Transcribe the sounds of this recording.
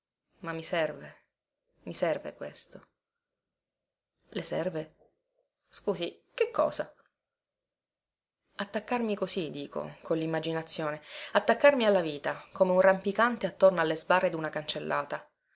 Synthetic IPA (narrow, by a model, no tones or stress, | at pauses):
mamːisɛrve | misɛrvḛkwḛst̪o | lesɛ̰rve | skuːzikekːɔ̰ːza | at̪ːakːarmikozid̪iːkʰo̰konlimːad͡ʒinat̪sːjoːneat̪ːakːarmialːaviːt̪akomeunrampikant̪eat̪ːornoalːezbarːed̪unakant͡ʃelːʔaːt̪a